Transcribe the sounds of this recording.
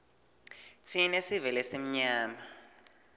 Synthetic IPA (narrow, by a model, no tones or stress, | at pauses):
tʰinesivɛlɛsim̩ɲaːma